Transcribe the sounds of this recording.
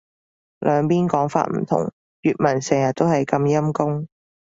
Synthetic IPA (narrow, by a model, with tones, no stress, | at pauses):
lœː˨˧ŋpiː˥nkɔː˨˥ŋfa̰ː˧t̚m̩̰˨˩t̪ʰʊ̰˨˩ŋ | jyː˨t̚mɐ˨˩nsɛː˨˩ŋjɐ˨t̚t̪ːo˥whɐ˨jkɐ˧mjɐ˥mkʊ˥ŋ